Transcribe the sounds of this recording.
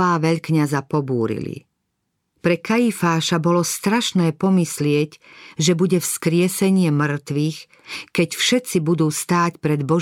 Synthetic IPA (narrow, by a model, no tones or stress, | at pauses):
aːʋɛʎkɲazapɔbuːɾḭlḭ | pɾɛkaifaːʃabɔlɔst̪ɾaʃnɛːpɔmislɪɛcʒɛbuɟɛfskɾɪɛsɛɲɪɛmr̩t̪ʋiːx | kɛcfʃɛt̪t͡sibud̪uːst̪aːcpɾɛd̪bɔ